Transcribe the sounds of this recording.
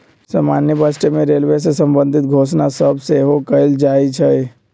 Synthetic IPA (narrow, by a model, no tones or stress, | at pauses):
saːmaːnjəbəsʈemẽɾeːlʋes̬esəmbə̃nd̪ʱɪt̪̚ɡʱoːsnasəbseɦokəɪld͡ʒaːit͡ʃʰə